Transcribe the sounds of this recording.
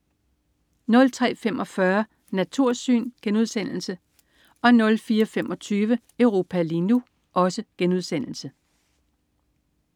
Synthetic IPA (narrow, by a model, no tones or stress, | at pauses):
nɔ̽lt͡sʰʁɛ̰ːfemɒ̽fɶɐ | næt͡sʰuɐ̰sy̰ːnɡ̥enuð̞ˠsen̰l̩sə | ʔɒ̽nɔ̽lfiːɐfemɒ̽t͡sʰyːʋə | əʊʁo̝ːpʰælinu | ʔɒ̽səɡ̥enuð̞̰ˠsen̰l̩sə